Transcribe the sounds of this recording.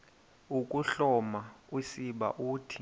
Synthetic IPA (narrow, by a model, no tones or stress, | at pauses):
ukʼuɬɔmausiɓa̰ʔuːtʰi̥